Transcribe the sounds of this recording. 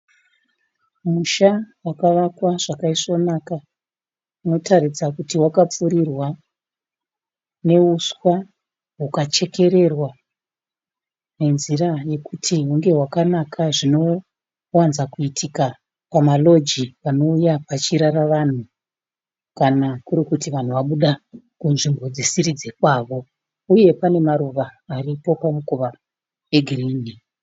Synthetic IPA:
muʃawakaʋakwaʐ̥akaisonaka | uno̞tarid͡zakutiwakap͡fuɾirwa | ne̞uswa | ɦukat͡ʃe̞ke̞ɾe̞rwa | ne̞nziraje̞kutʰiɦuŋɡe̞ɦwakanakʰaʐino̞ | wanzakuitʰika | pamalo̞d͡ʒiʋano̞ujapat͡ʃiɾaɾaʋan̤u | kanakuɾikutiʋan̤uʋaɓuɗa | kunʐimbo̞d͡zisiɾid͡ze̞kwaːʋo̞ | uje̞pane̞maɾuʋaːripo̞pamukuʋa | eɡʱiriːni

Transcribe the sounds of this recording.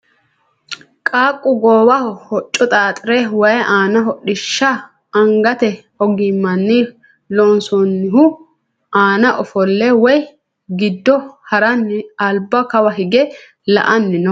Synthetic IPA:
kʼaːkʼːʊɡoːwɐhɔhɔt͡ʃʼːɔt̪ʼaːt̪ʼɪɾɛwɐjaːnɐɦɔɗɪʃːɐ | ɐŋɡɐt̪ɛhɔɡɪmɐnːɪ | lɔnsɔnːɪɦʊ | aːnɐʔɔfɔlːɛwɔj | ɡɪd̪ːɔhɐɾɐnːɪɐlbɐkɐwɐɦɪɡɛ | lɐ̰ʔɐnːɪnɔ

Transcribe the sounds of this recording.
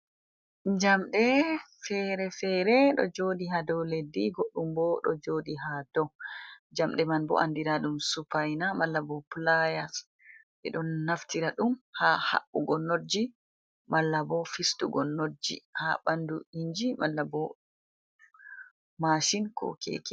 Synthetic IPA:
ɲd͡ʒamɗɛfɛɾɛfɛɾɛɗɔ̰d͡ʒodiɦadɔwledːiɡoɗːumbɔɗɔ̰d͡ʒodiɦadɔwd͡ʒamɗɛmanbɔ̰ʔandiɾaɗumsupajnamalːabɔplajas | ɓɛ̰ɗɔnːaftiɾaɗumhaha̰ʔːuɡɔnod͡ʒi | mʔalːabɔfistṵɡɔnːod͡ʒḭha̰banduiɲd͡ʒimalːabɔ | maʃinkʰɔ̰kʰḛki̥

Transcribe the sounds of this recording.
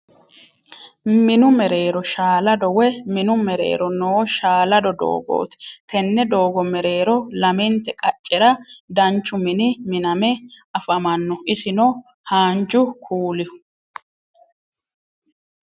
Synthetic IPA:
mɪnʊmɛɾe̞ːɾɔʃaːlɐd̪ɔwɛmɪnʊmɛɾḛːɾɔnoːʃaːlɐd̪ɔd̪o̰ːɡo̰ːt̪ɪ̥t̪ʰɛnːɛd̪o̞ːɡɔmɛɾe̞ːɾɔlɐmɛnt̪ːɛkʼɐt͡ʃʼːɛɾɐd̪ɐnt͡ʃːʊmɪnɪmɪnɐmɛɐfɐmɐnːɔʔɪsɪnɔ | haːnd͡ʒʊkʰuːlɪʊ̥

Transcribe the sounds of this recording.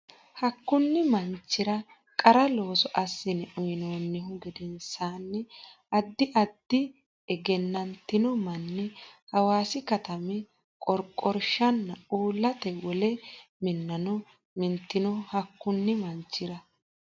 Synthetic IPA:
hɐkːʊnːɪmɐnt͡ʃːɪɾɐ | kʼɐɾɐlo̞ːsɔʔɐsːɪnɛʔʊjɪnoːnːɪɦʊɡɛd̪ɛnsaːnːɛʔɐd̪ːɪʔɐd̪ːɪ | ɛɡɛnːɐnt̪ːɪnɔmɐnːɛhɐwaːsɪkɐt̪ɐmɛ | kʼɔɾkʼːɔɾʃɐnːɐuːlːɐt̪ɛwɔlɛmɪnːɐnɔ | mɪnt̪ːɪnɔhɐkːʊnːɪmɐnt͡ʃːɪɾɐ

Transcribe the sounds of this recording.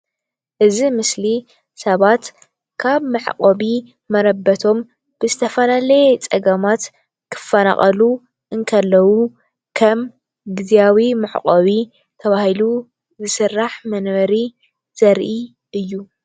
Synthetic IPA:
ʔɨzimɨsli | sɐβat̪ | kʰaβmɨʕ̰qʼoβi | mɐɾɐbːɐt̪ʰo̞m | b̥ɨzɨt̪ʰɐfɐlalɐjet͡sʼɐɡɐmat̪ | kʰɨ̥fːɐna̰χʼɐlu | ʔɨŋkʰɐlːɐwu | kʰɐm | ɡɨzijawimɨʕ̰qʼoβi | t̪ʰɐβahilu | zɨsɨrːaħmɐnβɐɾi | z̥ɐɾʔi | ʔɨjːu

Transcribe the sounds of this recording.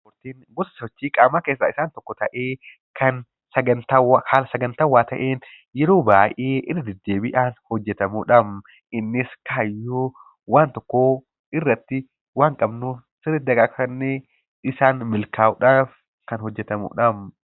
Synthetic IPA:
mʊɾt̪iːnɡʊsɐsɔt͡ʃːiːkʼaːmaːkeːsa̰ːɪsaːnt̪ɔkːɔt̪ɐʔeː | kʰɐn | sɐɡɐnt̪awaːhaːlɐsɐɡɐnt̪ɐwːaːt̪ɐ̰ʔeːn | jɛɾoːbaːʔeːʔɪrːɐd̪ɛd̪ːeːbɪʔaːnhɔd͡ʒːɛt̪ɐmuːᶑɐm | ʔɪnːɪskaːjːoː | waːnt̪ɔkːoː | ɪrːɐt̪ːɪ | waːŋkʼɐbnuː | sɪɾɪt̪d̪ɐɡakɐnːe | ɪsaːnmɪlkaːʊᶑaːf | kɐnhɔd͡ʒːɛt̪ɐmṵːᶑɐm

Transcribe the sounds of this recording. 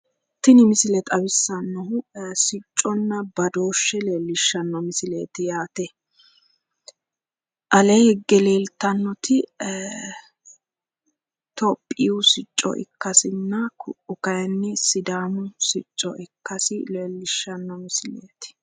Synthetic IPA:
t̪ɪnɪmɪsɪlɛt̪ʼɐbɪsːɐnːɔɦʊsɪt͡ʃʼːɔnːɐbɐd̪o̞ːʃːɛleːlːɪʃːɐnːɔmɪsɪlḛːt̪ɪjaːt̪ɛ | ʔɐleɛɡːɛleːlt̪ːɐnːɔt̪ɪ | t̪ɔpʼːɪʊsɪt͡ʃʼːɔ̰ʔɪ̰kːɐsɪnːɐkʊ̰ʔʊkɐjɛnːɛsɪd̪aːmʊsɪt͡ʃʼːɔ̰ʔɪkːɐsɪlelːɪʃːɐnːɔmɪsɪlḛːt̪ɪ̥

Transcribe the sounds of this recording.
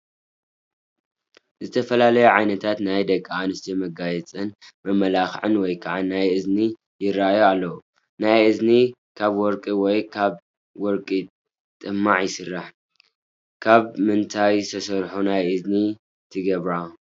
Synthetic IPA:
zɨt̪ʰɐfɐlalɐjuʕajnɐt̪ʰat̪najd̪ɐkʼːaanɨst̪ʰimɐɡajɛt͡sʼɨnmɐmːɐlaxʕɨnwɔjkʰaʕanajʔɨzni | jɪrːajoalːɐu | najʔɨzni | kʰaβwɔɾkʼiwɔjkʰaβ | wɔɾkʼi | t̪ʼɨmːaʕjɪsɨrːaħ | kʰaβmɨnt̪ʰajst̪ʰɐsɐɾħunajʔɨzni | t̪ʰɨɡɐβɾa

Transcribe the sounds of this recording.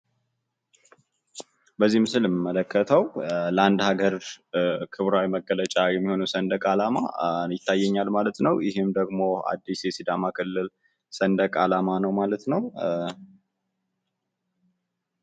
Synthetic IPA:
bəzːihmsɨləmmːələkʰːət̪ʰəwləand̪haɡəɾ | kʰɨβɾawiməɡələt͡ʃʼajɛmːiho̞nəwsənd̪əkʼalama̰jɪt̪ʰːajːɛɲːalmalət̪nəwjɪɦɨmd̪əɡmo̞a̰d̪ːisjɛsid̪amakʰɨlːɨl | sənd̪əkʼalamanəwmalət̪nəw

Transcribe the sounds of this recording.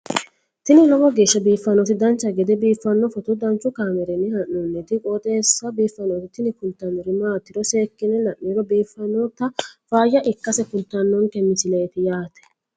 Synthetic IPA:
t̪ɪnɪlɔmɔɡeːʃːɐbiːfːɐnɔt̪ɪd̪ɐnt͡ʃːɐɡɛd̪ɛbiːfːɐnːɔfɔt̪ʊd̪ɐnt͡ʃːʊkaːmɛɾɛnːɪhɐnːɔnːɛt̪ɪkʼoːt̪ʼeːsːɐbiːfːɐnoːt̪ɪt̪ɪnɪkʊnt̪ːɐnːɔɾɪmaːt̪ːɪɾɔseːkːɪnɛlɐʔːiɾɔbiːfːɐnːɔt̪ːɐfaːjɐʔɪkːɐsɛkʊnt̪ːɐnːɔŋkɛmːɪsɪlɛjt̪ɪjaːt̪ɛ̥

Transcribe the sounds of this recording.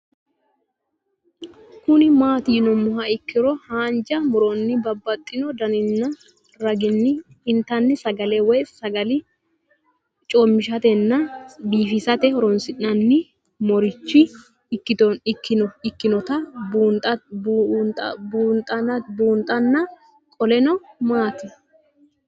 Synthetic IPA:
kʊnɪmaːt̪iːnɔmʊɦɐɪkːɪɾɔhaːnd͡ʒɐmʊɾɔnːɪbɐbːɐt̪ʼːɪnɔd̪ɐnɪnːɐ | ɾɐɡɪnːɪ | ɪnt̪ɐnːɪsɐɡɐlewɔjsɐɡɐlɪ | t͡ʃʼomːɪʃɐt̪ɛnːɐbiːfɪsɐt̪ɛhɔɾɔnsɪnːɐnːɪ | mɔɾɪt͡ʃːɪ | kːɪt̪ɔnɪkːɪnɔɪkːɪnɔt̪ɐbunt̪ʼɐnt̪ʼɐbuːnt̪ʼɐnɐbuːnt̪ʼɐnːɐ | kʼɔlɛnɔmaːt̪ɪ

